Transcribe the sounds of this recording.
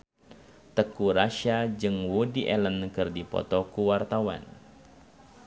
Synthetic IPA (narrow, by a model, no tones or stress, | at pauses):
t̪əkuɾaʃad͡ʒɨŋwudiʔɛlənkɨrdipɔ̰t̪ɔkuwart̪awa̰n